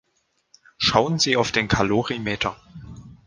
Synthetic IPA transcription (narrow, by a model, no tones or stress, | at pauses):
ʃaʊənziːaʊfd̥eːnkʰaloːʁimeːtʰɐ